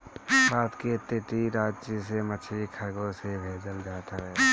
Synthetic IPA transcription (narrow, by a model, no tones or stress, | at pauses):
baːt̪ket̪eːʈ̪iɾaːd͡ʒt͡ʃisemət͡ʃʰikʰəɾɡõsebʱeːd͡ʒəld͡ʒaːt̪aɦɛː